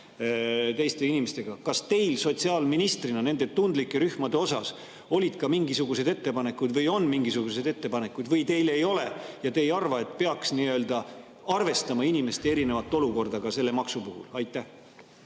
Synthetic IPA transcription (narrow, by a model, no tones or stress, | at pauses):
t̪e̞jst̪e̞inimest̪e̞ɡ̥ɑkɑst̪e̞jlso̞t̪siɑːlminist̪rinɑne̞nd̪̥e̞t̪und̪likːˑe̞ɾyhmɑd̪̥e̞o̞sɑ̰s | o̞lʲid̪̥kɑmiŋɡisuɡ̥use̞d̪e̞t̪ːe̞pɑne̞kːˑud̪vɤjo̞nːmiŋɡisuɡ̥use̞d̪e̞t̪ːe̞pɑne̞kːˑud̪vɤjt̪e̞jle̞jo̞le̞jɑt̪e̞ejɑrvɑe̞t̪ˑpe̞ɑksniø̞ːld̪̥ɑ | ɑrve̞st̪ɑmɑinime̞st̪eeɾine̞vɑt̪ːˑo̞luko̞rd̪̥ɑɡɑse̞lːe̞mɑksupuhṵlɑjt̪ːˑæh